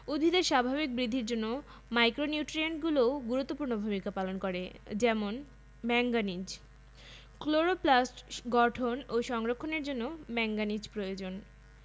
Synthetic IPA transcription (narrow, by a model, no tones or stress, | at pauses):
ud̪ʱbʱid̪eɾʃabʱaβik̚bɾid̪ʱːiɾd͡ʑonːo | majkɾoniuʈɾieɳʈɡuloɡuɾut̪ːopuɾnobʱumikapalonkoɾḛd͡ʑɛmon | mɛŋɡanid͡ʑ | kloɾoplasʈɡɔʈʰonoʃɔŋɾokʰːoneɾd͡ʑonːomɛŋɡanid͡ʑpɾojod͡ʑon